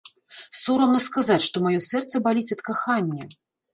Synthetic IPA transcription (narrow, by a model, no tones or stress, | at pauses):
sɔɾɐwnɐskazat͡sʲʂt̪ɔmajɔsɛrt̪sɐbalʲit͡sʲɐt̪kaxanʲːɐ